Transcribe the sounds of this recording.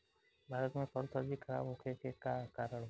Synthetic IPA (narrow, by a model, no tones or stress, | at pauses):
bʱaːɾət̪mẽpəɾt̪əɾd͡ʒikʰɐɾa̰ːbɦokʰekekakaːɾəɽ̃